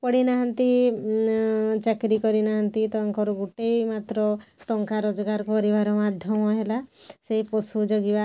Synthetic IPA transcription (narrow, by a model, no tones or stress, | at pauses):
pɔɽinaɦant̪i | t͡ʃakɾikɔɾinaɦant̪it̪ɔɔŋkɔɾɔɡuʈejmat̪ɾɔʈɔŋkaɾɔd͡ʒɔɡaɾkɔɾibaɾɔmad̪ʱjɔmɔɦelaseɦipɔsud͡ʒɔɡiba